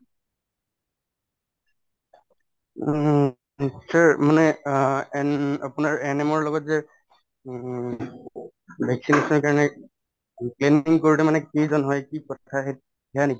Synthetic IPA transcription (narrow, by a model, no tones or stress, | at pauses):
saɹmanɛ | apʊnaɹɛnɛmɔɹlɔɡɔtzɛ | bʱɛksinesɔnɔɹkaɹɔnɛ | kleniŋkoɹilɛmanɛkizɔnɦɔjkikɔtʰaɦet | dɛaneki